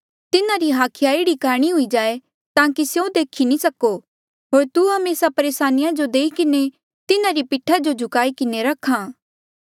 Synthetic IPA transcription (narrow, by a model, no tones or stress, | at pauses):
t̪ɪnãɾiɦaːkʰɪjaeːɽikaːɽ̃iɦʊid͡ʒaːe | t̪ãːkisjõd̪eːkʰinĩsɐko | ɦoːɾt̪uɦɐmeːsapɐɾeːsaːnɪjad͡ʒod̪eːikɪne | t̪ɪnãɾipɪʈʰːad͡ʒod͡ʒʱʊkaːikɪneɾɐkʰãː